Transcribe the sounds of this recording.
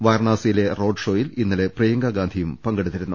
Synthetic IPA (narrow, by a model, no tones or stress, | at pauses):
ʋɐjrɳaːsɐjile̞ro̞ːɖʂo̞ːjilinːɐle̞prɐjɐŋɡɐɡaːnd̪ʱijumpɐŋɡeɽut̪ːiɾunːu